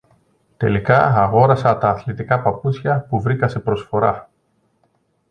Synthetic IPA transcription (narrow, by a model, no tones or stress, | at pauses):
t̪e̞̰likɐɐɣo̞ɾɐsɐt̪ɐːθlit̪ikɐpɐput͡sçɐpuvɾikɐse̞pɾo̞sfo̞ɾɐ